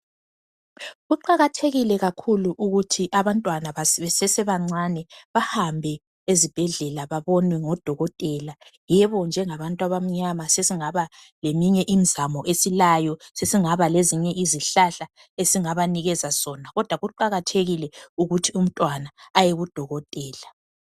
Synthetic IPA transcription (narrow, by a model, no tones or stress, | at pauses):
ɣuǃaɣatʰeɣilɛɣakʰuluʔuɣutʰiʔaβantʼwanaβasβɛsɛsɛβaŋ͡ǀanɛβahambʱɛ | ezib̥ʱɛɮɛlaβaβɔnwɛŋɔd̥ʱɔɣɔtʼɛlajɛβɔnd͡ʒʱɛŋaβantʼwaβam̩ɲamasesiŋaβa | lemiɲɛʔimizamɔʔesilajɔsesiŋaβaleziɲɛʔiziɬaɬa | esiŋaβaniɣɛzasɔnaɣɔd̥ʱwaɣuǃaɣatʰeɣilɛuɣutʰium̩tʼwanaːjeɣud̥ʱɔɣɔtʼɛːla